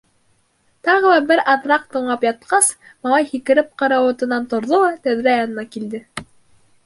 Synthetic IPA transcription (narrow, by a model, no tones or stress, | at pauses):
t̪ɑʁɤ̆lˠɑbɘɾɑðɾɑq̚t̪ɤ̆ɴlˠɑpjɑt̪̚qɑs | mɑlˠɑjhikɘ̆ɾɘp̚qɑ̆ɾɑwɤ̆t̪ɤ̆nɑnt̪ŏɾðolˠɑt̪æðɾæjɑnɤ̆nɑkild̪ɘ